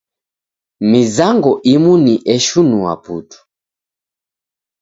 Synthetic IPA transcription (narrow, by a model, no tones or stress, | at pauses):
mizaŋɡɔʔimuniʔɛʃunua̰putu̥